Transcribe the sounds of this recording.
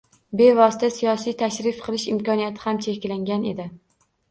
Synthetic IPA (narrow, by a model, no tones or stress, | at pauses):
be̞vɒsɪ̥t̪ʰasijɒsijt̪ʰaʃɾɪfqʰɨlˠɪʃɪmkɒnijat̪ʰɪhamt͡ʃʰekʲlaŋɡʲane̞d̪ɪ